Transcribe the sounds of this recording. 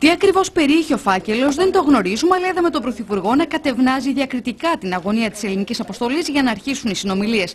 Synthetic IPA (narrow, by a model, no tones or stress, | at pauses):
t̪iɐkɾivo̞spe̞ɾieçeo̞fɐce̞lo̞zðe̞nd̪o̞ɣno̞ɾizumɐleðɐme̞t̪o̞bɾo̞θipuɾɣo̞nɐkɐt̪e̞vnɐziðiɐkɾit̪ikɐt̪inɐɣo̞niɐt̪i̥se̞linicisɐpo̞st̪o̞lizʝɐnɐːɾçisunisino̞milie̞s